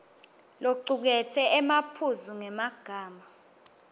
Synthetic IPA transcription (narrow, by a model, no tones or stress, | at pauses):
loǀuk̬ɛtʰɛɛmapʰuzuŋɛmaɡ̥ʱaːma